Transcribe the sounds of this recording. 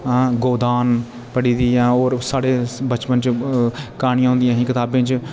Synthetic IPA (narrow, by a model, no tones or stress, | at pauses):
ɡoːd̪aːn | pəɽiːd̪iːãːoːɾsaːɽeːbət͡ʃpənt͡ʃkaːɳĩjãːɦʊ̃ːnd̪ɪjãːɦĩːkɪt̪aːbẽːt͡ʃ